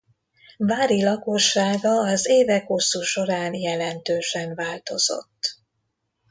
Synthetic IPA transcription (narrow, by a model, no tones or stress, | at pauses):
vaːɾilɒko̞ʃːaːɡɒːzeːvɛkho̞sːuːʃo̞ɾaːnjɛlɛnt̪øːʃɛnvaːlt̪o̞z̥o̞̰t̪ː